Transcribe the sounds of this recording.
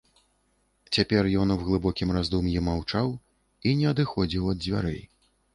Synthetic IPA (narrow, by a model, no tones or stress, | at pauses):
t͡sʲapʲɛrjɔnuwɣlˠɨbɔkʲimrazd̪umjɛmawt͡ʂaw | inʲɛɐd̪ɨxɔd͡zʲiwɐd̪̚zʲvʲa̰ɾɛ̰j